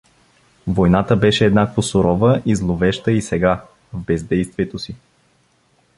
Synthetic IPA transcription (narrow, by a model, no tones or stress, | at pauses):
vojnat̪əbɛʃɛːd̪nakvosʊɾɔvəʔizlˠovɛʃt̪əisɛɡa | vbɛzd̪ɛjst̪viɛt̪osi